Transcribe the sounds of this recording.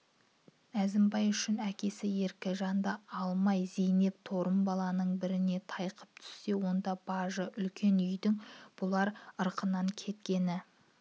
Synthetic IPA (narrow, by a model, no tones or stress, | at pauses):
æzɪmbɑjʏʃɪnækʲe̞sɪje̞ɾkʲɪʒɑnd̪ɑɑlˠmɑjzejne̞p̚t̪ʰo̞ɾəmbɑlˠɑnəɴbɪɾɪne̞t̪ʰɑjqə̥p̚t̪ʰʏ̥sːe̞wo̞nd̪ɑb̥ɑʒəʔʏlkʲʰe̞nʏjd̪ɪŋb̥ʊlˠɑɾəɾqənɑŋkʲʰe̞t̪kʲe̞nɪ